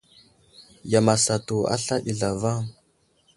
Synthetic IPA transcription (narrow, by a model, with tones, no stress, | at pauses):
ja˨ma˨sa˨tu˨a̰˦ɬa˦ʔi˨ɮa˨va˦˨ŋ